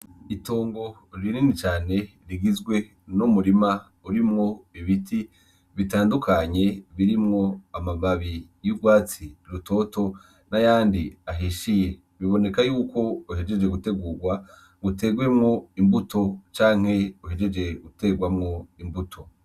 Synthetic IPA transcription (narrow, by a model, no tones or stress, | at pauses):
ito̞ːŋɡo̞ | ɾininit͡ʃaːne̞ | ɾiɡizɡwe̞ | numuɾima | uɾimŋo̞iβitʰi | βitaːndukʰaɲe̞βiɾimŋo̞amamaβi | juɡwaːt͡siɾuto̞ːto̞ | najaːndiaɦiʃije | βiβo̞ne̞kajuːko̞uhe̞d͡ʒe̞d͡ʒeɡute̞ɡuːɡwa | ɡute̞ɡwemŋo̞imbuto̞t͡ʃaːŋ̥he̞uɦed͡ʒe̞d͡ʒe̞ɡute̞ɡwamŋo̞imbutʰo̞